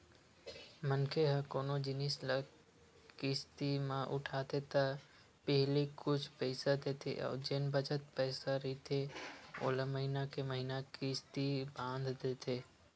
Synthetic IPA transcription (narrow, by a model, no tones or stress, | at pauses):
mənkʰeɦə̃koːnod͡ʒɪnislə | kɪːst̪imãʔʊʈʰaːt̪ʰet̪ə | pəɦlikʊt͡ʃʰpɛɪsad̪eːt̪ʰḛʔɔ̰ːɾd͡ʒenbəd͡ʒət̪̚pɛːsaɾəit̪ʰeo̰ːləməɦinakeməɦinakiːst̪ibãːnd̪ʱd̪eːt̪ʰeː